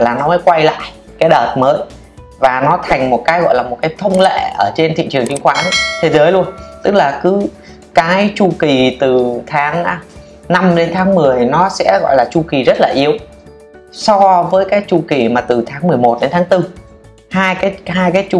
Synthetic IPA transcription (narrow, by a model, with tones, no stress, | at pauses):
laː˨˩nɔ˨˦məː˨˦jkwa˧jla̰ː˧˨j | kaː˨˦jɗəː˨˩t̚məː˨˦j | vaː˨˩nɔ˨˦t̪ʰa˨˩jŋ̟mo˨˩t̚kaː˨˦jɣɔ̰˧˨jlaː˨˩mo˨˩t̚kaː˨˦jt̪ʰə˧wŋ͡mlḛ˧˨ʔəː˧˩t͡ɕe˧nt̪ʰḭ˧˨t͡ɕɨ˨˩əŋt͡ɕi˧˦ŋxwaː˨˦nt̪ʰe˨˦zəː˨˦jlu˧ənt̪ɨ˦˥k̚laː˨˩kɨ˨˦ | kaː˨˦jt͡ɕu˧ki˨˩t̪ɨ˨˩t̪ʰaː˨˦ŋ˧ | na˧mɗe˨˦nt̪ʰaː˨˦ŋmɨ˨˩əjnɔ˨˦sɛ̰˧˥ɣɔ̰˧˨jlaː˨˩t͡ɕu˧ki˨˩zə˦˥t̚laː˨˩ʔi˧əw | sɔ˧vəː˨˦jkaː˨˦˥jt͡ɕu˧˩ki˨˩maː˨˩t̪ɨ˨˩t̪ʰaː˨˦ŋmɨ˨˩əjmo˨˩t̚ɗe˨˦nt̪ʰːŋt̪ɨ˧ | haː˧jkaː˨˦jhaː˧jkaː˨˦jt͡ɕu˧